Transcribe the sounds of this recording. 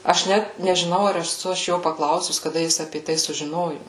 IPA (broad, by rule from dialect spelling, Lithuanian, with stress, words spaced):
ɐʃ ˈnʲæt nʲɛʒʲɪˈnɐʊ ɐr ɛˈsʊ ɐʃ ˈjoː pɐˈklˠɐʊsʊs kɐˈdɐ ˈjɪs ɐpʲeː ˈtɐɪ sʊʒʲɪˈnoːjʊ